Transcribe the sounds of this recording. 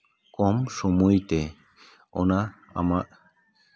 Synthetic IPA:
komʃumujt̪e | o̰na | a̰ma

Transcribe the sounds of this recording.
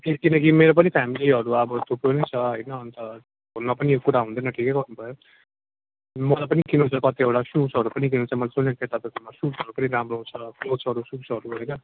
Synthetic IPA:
ekinʌkimeɾop̬ʌnipʰamiliɦʌɾuʌbʌt̪ʰupɾonet͡sʰʌɦʌjnʌːnt̪ʌ | ɦunːʌpʌnijokuɾaɦũnd̪ʌnʌʈʰikeɡʌrnubʱʌjo | mʌlapʌnikinũt͡sʰʌkʌt̪iʌwʈasusɦʌɾupʌnik̬inũt͡sʰʌmʌlat͡sunepet̪apekʌmasusʌɾupʌniɾamroɦt͡sʰʌpʰlot͡sʰʌɾususʌɾuɦʌjnʌ

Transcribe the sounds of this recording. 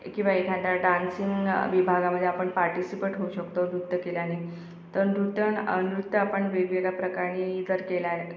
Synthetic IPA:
kĩw̃ʋaekʰãnt̪jaɖansiŋɡʋibʱaɡaməd̪ʱːjeapəɳpaɾʈisipeʈɦouɕəkt̪onɾut̪ːəkeljane | t̪əɾnɾut̪ːəə̰nɾut̪ːəapəɳʋeɡʋeɡapɾəkaɾɳid͡zəɾkelae

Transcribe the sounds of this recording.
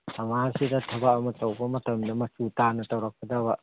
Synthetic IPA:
ɐmasidɐtʰɐbakɐmɐtɐwbɐmɐtʰɐmdɐmɐsutanɐtɐwɾɐk̚ːɐdɐβɐ

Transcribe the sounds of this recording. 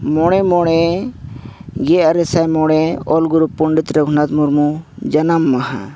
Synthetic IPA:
mɔɽ̃emoɽ̃e | ɡeɐɾesajmoɽ̃eolɡuɾupːuɳɖit̪ɾɐɡʱunat̪muɾmud͡ʒɐnɐmːɐɦa̰

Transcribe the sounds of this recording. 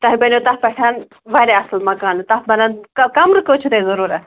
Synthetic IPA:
t̪ɐɦibɐnot̪ɐfpɐʈʰan | ʋɐɾeɐslmɐkaːnt̪ɐfbɐnankɐkɐmɾɨkot͡ʃʰut̪ɐzɐɾuːɾɐ

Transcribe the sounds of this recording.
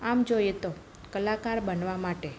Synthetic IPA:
amd͡ʒojet̪o | kəlakaɾbənʋamaʈe

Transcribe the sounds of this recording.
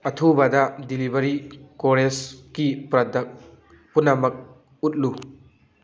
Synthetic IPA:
ɐtʰubɐdɐdilibɐɾikoɾeskipɾɐdɐ | punːɐmɐk̚ | ut̚lu

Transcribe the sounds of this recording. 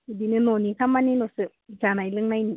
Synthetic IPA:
idinɯnonikʰamːaninosɯ | d͡ʒanajlɯŋnajni

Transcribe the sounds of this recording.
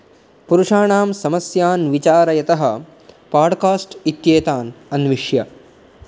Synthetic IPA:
puɾuʂaːɳaːmsɐmɐsjaːnʋit͡ʃaːɾɐjɐt̪ɐɦɐ̆ | paːɾɖkaːsʈit̪jeːt̪aːnɐnʋiʂjɐ

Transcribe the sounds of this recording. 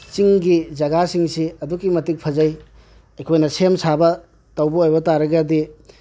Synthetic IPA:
t͡ʃiŋɡid͡ʒɐɡasiŋsiɐdukːimɐtik̚pʰɐzɐj | ɐjkʰojnɐsemsʰabɐ | tɐwbɐojbɐtaɾɐɡɐdi

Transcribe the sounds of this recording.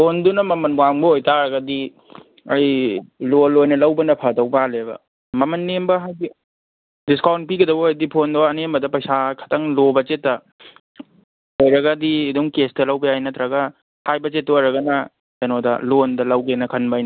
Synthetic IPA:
pʰondunɐmɐmɐnmuaŋbɐojtaɾɐɡɐdi | ɐjlolojnɐlɐwbɐnɐpʰɐdɐwbalebɐ̰ | mɐmɐnːembɐɦajɡi | diskawnt̚piɡɐdɐbuːjdipʰondɐwɐnembɐdɐpɐjsakʰɐ̥tʰɐŋlobɐt͡ʃetːɐ | ojɾɐɡɐdiːduŋkestɐlɐwbɐjajnɐtɾaɡɐ | hajbɐt͡ʃet̚ːɐoɾɐɡɐnɐ | ɐnodɐ̰londɐlɐwɡenɐkʰɐnbajnɐ

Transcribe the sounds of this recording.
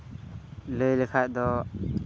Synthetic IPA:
ləjləkʰac̚d̪ɔ

